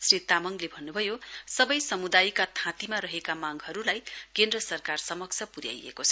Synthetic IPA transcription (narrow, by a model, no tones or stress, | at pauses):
srit̪amʌŋlebʱʌnːubʱʌjosʌbʌjsʌmud̪ajkat̪ʰãt̪imaɾʌɦekamaŋɦʌɾulajkend̪rʌsʌrkarsʌmʌkt͡sʰʌpuɾja̰jḛkot͡sʰʌ